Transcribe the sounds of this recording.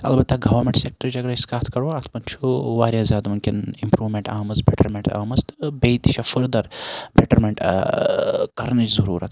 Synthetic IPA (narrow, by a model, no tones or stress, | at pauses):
ɐ̰lbɐt̪ːaɡɐʋɐɾmeɳʈsek̚ʈɐɾt͡ʃɐɡɾɐiskaːt̪ʰkɐɾoat̪ʰmɐnt͡ʃʰuʋaːɾʲjazʲaːd̪mɐnkinimpɾuːʋmeɳʈaːmɐzbeʈɐɾmeɳʈa̰ːmɐzt̪ɨ̥bejt̪iʃʰɐfɨɾd̪ɐɾbeʈɐɾmeɳʈ | kɐɾnɨt͡ʃzɐɾuːɾɐ̰t̪ʰ